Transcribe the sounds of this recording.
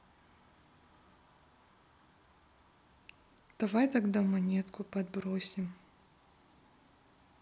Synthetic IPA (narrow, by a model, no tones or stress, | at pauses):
d̪̥ɐvajt̪ɐɡd̪amɐnʲet̪kʊpɐd̪̚bɾosʲɪm